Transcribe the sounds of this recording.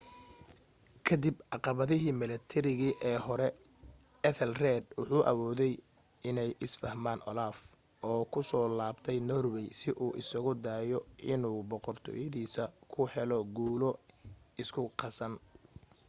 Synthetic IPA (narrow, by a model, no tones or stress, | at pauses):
kʰɐd̪ibʔɑqɑβɐðɪɦiːmɪlɛt̪ʰɛɾɪɣiːʔɛːhɔɾɛ | ɛθɛlrɛːd̪wʊħuːʔɐ̰wɔːðɛj | ɪnɛjʔɪsfɐhmaːnʔɔ̰laːf | ʔɔːkʰʊsɔːlaːbt̪ʰɛjnɔːrwɛjsɪʔuːʔɪsɐɣʊd̪aːjɔɪnuːbɔqɔrt̪ʰɔ̰ːjɐðiːsɐkʰʊhɛlɔɡuːlɔɪskʰʊqɑsɐn